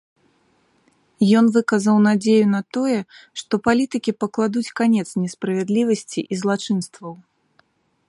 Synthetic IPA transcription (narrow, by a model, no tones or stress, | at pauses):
jɔnvɨkɐzɐwnad͡zʲejunɐt̪ɔjɛʂt̪ɔpalʲit̪ɨkʲipɐklˠad̪ut͡sʲkanʲɛt̪snʲɛspɾɐvʲɛd̪lʲivɐsʲt͡sʲḭʔizlˠat͡ʂɨnst̪vɐw